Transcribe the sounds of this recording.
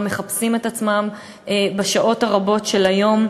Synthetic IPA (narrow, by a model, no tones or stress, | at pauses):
mːe̞χapsimetat͡smam | baʃaʔo̞thaʁabo̞tʃe̞lajo̞m